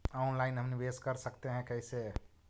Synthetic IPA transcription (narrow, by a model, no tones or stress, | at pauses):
ɔnlaɪnɦəmnibeskəɾsəkt̪eɦɛ̃kəɪse